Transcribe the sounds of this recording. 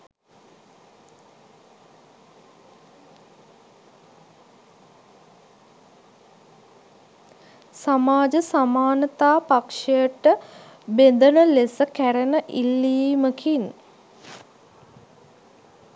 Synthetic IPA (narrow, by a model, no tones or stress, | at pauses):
samaːd͡ʒəsamaːnət̪aːpakʂejəʈə | bend̪ənəlesəkæɾənəʔilːiːməkʰin